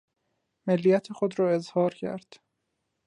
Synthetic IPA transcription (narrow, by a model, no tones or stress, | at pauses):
melːijæt̪ʰexod̪ɾɒːe̞zhɒːɾcʰæ̰ɾd̪̥